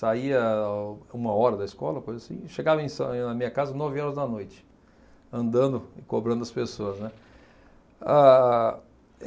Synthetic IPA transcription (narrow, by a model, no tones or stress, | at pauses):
saiɐ | ũmɐɔɾɐd̪ɐiskɔlɐkojzɐasḭ̃ʃeɡavɐẽj̃sɐ̃nɐmĩɲɐkazɐnɔvɪɔɾɐzd̪ɐnojt͡ʃɪ̥ | ɐ̃nd̪ɐ̃d̪ʊɪkobɾɐ̃nd̪ʊɐspesoɐznɛ | a